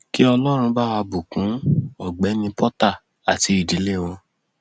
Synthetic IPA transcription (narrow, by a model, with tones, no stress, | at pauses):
ki˦ɔ˧lɔ˦ɾ̃ũ˧ba˦˨wa˧bu˨kũ˨˦ɔ˦˨ɡ͡bɛ˨˦nĩ˧pʰɔ˦ta˦˨ | a˨ti˧˦i˦˨di˨˦le˦˨w̃õ˧